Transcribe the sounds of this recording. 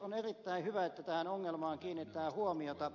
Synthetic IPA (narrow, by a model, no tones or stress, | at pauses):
onerit̪ːæihyʋæet̪ːæt̪æhænoŋːelmɑːŋkiːnːit̪ːˑæːhuomiot̪ɑ